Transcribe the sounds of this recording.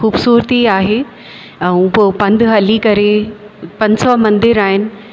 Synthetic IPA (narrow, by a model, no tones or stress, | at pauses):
xuːbsuːɾt̪iaːɦe | ɐũpopɐ̃nd̪ʱɦɐlikɐɾe | pɐ̃ɲsɔmɐ̃nd̪ɪɾaːɦɪnɪ̆